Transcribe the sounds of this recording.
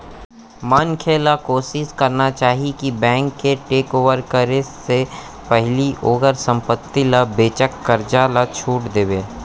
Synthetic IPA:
mankʰeːlakoːʃɪskɐɾnat͡ʃaːɦikibɛ̃ːŋkːeʈeːkoːʋəɾkəɾesse | pɛɦliʔoːɡəɾsə̃mpət̪ːilabeːt͡ʃəkːəɾd͡ʒaːlat͡ʃʰuːʈd̪eːʋeː

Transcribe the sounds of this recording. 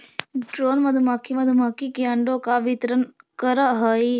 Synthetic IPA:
ɖɾoːnməd̪ʱumakimɐd̪ʱumaːkikeɐɳɖõkaʋɪt̪ɾənkəɾəɦəi

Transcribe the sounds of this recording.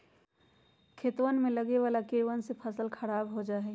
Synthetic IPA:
kʰet̪wənmẽləɡeʋaːlakiɾwənsepʰəsəlkʰəɾaːbɦod͡ʒaːɦɛ

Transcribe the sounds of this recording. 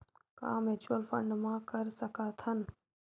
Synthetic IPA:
kã̰ːmɛt͡ʃuəlfə̰̃ɳɖmãkəɾsəkaːt̪ʰən

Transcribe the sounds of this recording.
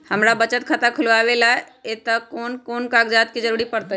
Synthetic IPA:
həmɾabət͡ʃət̪kʰat̪akʰʊlaːʋelae | et̪əkoːnkoːnkakd͡ʒat̪̚kid͡ʒəɾuɾipəɾt̪ə

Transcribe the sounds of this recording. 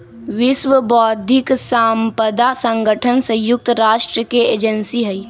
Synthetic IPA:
ʋɪʃʋəbɔːd̪ʱɪksaːmpəd̪asə̃ŋɡəʈʰənsə̃jʊk̚t̪ɾaːʃʈɾəkeeːd͡ʒənsiɦəi

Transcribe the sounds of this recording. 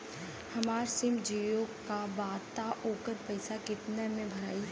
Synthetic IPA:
hɐmaːɾsɪmd͡ʒiːjokabaːdt̪aʔoːkəɾpɐɪsakɪt̪nɛmẽbʱɐɾaːi

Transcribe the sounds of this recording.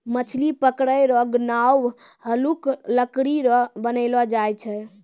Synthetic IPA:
mət͡ʃʰlipəkɽəjɾɔɡnaw | həlukləkɽiɾɔbənəɪlɔd͡ʒajt͡ʃʰɛ

